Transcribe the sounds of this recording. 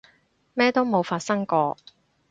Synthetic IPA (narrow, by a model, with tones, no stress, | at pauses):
mɛː˥t̪o˥wmo˨˧wfaː˧t̚sɐ˥ŋkɔː˧